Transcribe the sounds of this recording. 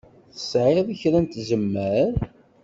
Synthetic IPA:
θə̥sʕeðˤəçɾænt̪zəmːəɾ

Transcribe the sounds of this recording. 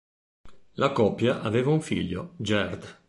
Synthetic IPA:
lakɔpːjaʔaveːvauɱfḭʎːod͡ʒɛrd̪

